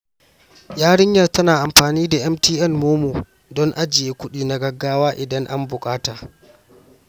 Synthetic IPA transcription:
jaː˦ɽɪ˦ɲjɐ˨rtɐ˦naː˨ʔa˨mɸaː˨niː˦da˨ʔɛ˦mtiː˦ʔɛ˦˨nmoː˦moː˨ | dɔ˦ŋʔa˦d͡ʒɪ˨jeː˦kʷʊ˦ɗiː˨na˨ɡɐ˦ɡːaː˦waː˦ʔɪ˨dɐ˦ŋʔa̰˦mbʊ˨kʼaː˦taː˨

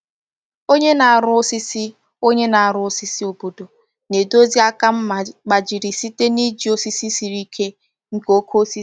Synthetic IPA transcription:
o˦ɲe˦na˨a˨ɾʊ˦o˦si˦si˦ | o˦ɲe˦na˨a˨ɾʊ˦o˦si˦si˦o˨bo˨do˨ | ne˨do˦zi˦a˦ka˦m̩˦m˨k͡pa˨d͡ʒi˨ɾi˨si˦te˦ni˦d͡ʒi˨˦o˦si˦si˦si˨ɾi˦kʰe˦ | ŋ̩˦ko˦kʰo˦si˦

